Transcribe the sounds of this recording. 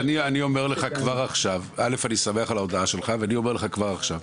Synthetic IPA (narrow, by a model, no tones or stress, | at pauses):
anianio̞me̞ʁleχakvaʁaχʃavale̞fanisameaχalaod̪aaʃe̞lχaveanio̞me̞ʁleχakvaʁaχʃav